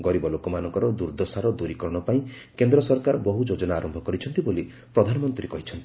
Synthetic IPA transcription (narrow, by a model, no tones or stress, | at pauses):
ɡɔɾibɔlokɔmanɔŋkɔɾɔd̪uɾd̪ɔsaɾɔd̪uɾikɔɾɔɽ̃ɔpaĩ | kend̪ɾɔsɔɾkaɾbɔɦud͡ʒod͡ʒɔnaːɾɔmbʱɔkɔɾit͡ʃʰɔnt̪iboli | pɾɔd̪ʱanɔmɔnt̪ɾikɔɦit͡ʃʰɔnt̪i̥